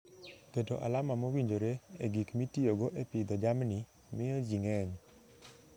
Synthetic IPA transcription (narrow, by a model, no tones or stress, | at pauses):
ketoʔa̰lamamowiɲd͡ʒoɾeeɡikmitioɡoʔepɪd̪ɔd͡ʒamni | mɪjɔd͡ʒiŋɛɲ